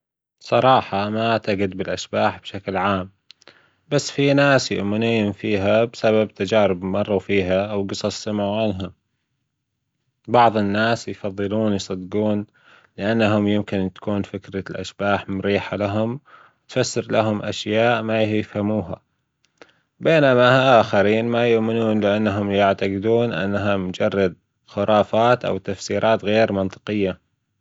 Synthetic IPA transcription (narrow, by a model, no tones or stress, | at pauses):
sˤɑɾˤɑːħɑmat̪aɡɪd̪̚bɪlʔaʃbaːħb̥ʃaklʕaːm | basːfinaːsjʊ̰ʔmɪniːʊmfiːɦabsababt̪ad͡ʒaːɾɪbmɑrˤːufiːɦaʔwɡɨsˤɑsˤɪmaʕanɦa | bɑʕðˤɪnːaːsjfɑðˤːɨluːnjsˤɑd̪ɡuːn | lɪʔanːaɦʊmjɪmkɪnt̪ḁkuːnfɪkɾalʔa̰ʃb̥aːħmʊɾiːħalaɦʊm | wɪt̪fasːɪɾlaɦʊmʔa̰ʃjaːʔmajjɪfhamuːɦa̰ | beːnamaaʔaːxaɾiːnmajʊʔmɪnuːnlɪʔanːaɦʊmjaʕt̪aɡɪd̪uːnʔa̰nːaɦamʊd͡ʒɑrˤːɑd̪̚ | xʊɾˤɑːfaːt̪ʔa̰wt̪afsiːɾʔɑːt̪ɣeːɾmɑnt̪ˤɨ̥qɪjːa